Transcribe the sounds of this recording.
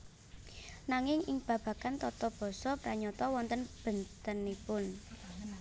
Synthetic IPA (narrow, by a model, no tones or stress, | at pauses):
naŋɪŋɪŋb̥ä̤b̥ä̤kant̪ɔt̪ɔb̥ɔ̤sɔpɾaɲɔt̪ɔwɔnt̪ənb̥ə̤nt̪ənipʊn